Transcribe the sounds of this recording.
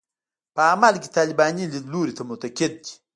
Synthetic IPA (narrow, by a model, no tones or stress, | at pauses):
pamalkit̪alibaɲililuɾit̪ɐmot̪ɐket̚t͡ʃi̥